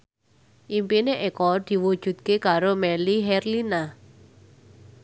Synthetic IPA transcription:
ʔimpineʔekɔd̪̥i̤wud̥ʒ̥ṳt̪̚kekaɾomɛliɦɛrlina

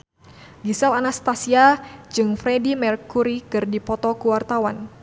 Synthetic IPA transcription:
ɡisɛlanast̪asiad͡ʒɨŋfɾɛdimɛrkuɾikɨrdipɔt̪ɔkuwart̪awan

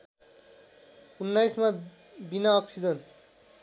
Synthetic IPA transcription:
unːajsma | binaːksid͡zʌn

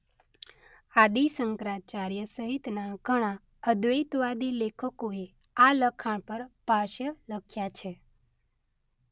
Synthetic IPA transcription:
ad̪isəŋkɾat͡ʃaɾjəsəɦit̪naɡʱəɽ̃a | əd̪ʋəjt̪ʋad̪ilekʰəkoe | aləkʰaɳ̃pəɾpaʃjələkʰjat͡ʃʰe

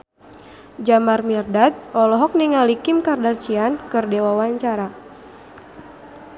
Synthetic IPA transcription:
d͡ʒamarmirdat̪̚ɔlɔɦɔk̚niŋalikimkardart͡ʃiankɨrdewawaɲt͡ʃaɾa

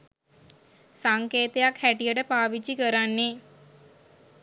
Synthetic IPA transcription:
saŋkeːt̪ejakhæʈijəʈəpaːʋid͡ʒikəɾanːe

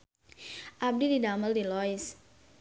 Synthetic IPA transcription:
ʔab̚dididaməldilɔɪs

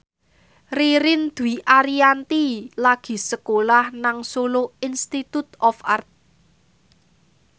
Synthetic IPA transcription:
riɾɪnd̪̥uiʔaɾiant̪ilaɡ̥i̤səkolahnaŋsoloinst̪it̪ut̪ɔfart̪̚

